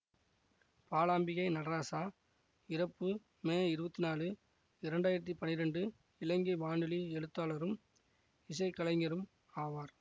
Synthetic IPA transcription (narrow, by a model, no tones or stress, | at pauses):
paːlaːmbɪɣɐɪnɐɽɐɾaːsaː | ɪɾɐpːɯ | meːɪɾɯbɐt̪ːinaːlɯ | ɪɾɐɳɖaːjɪɾɐt̪̬ːipɐnːɪɾɐɳɖɯ | ɪlɐŋɡɐʋaːɳɖɯliɛɭɯt̪ːaːlɐɾɯm | ɪsɐɪkːɐlɐɪŋɡɐɾɯm | aːʋaːɾ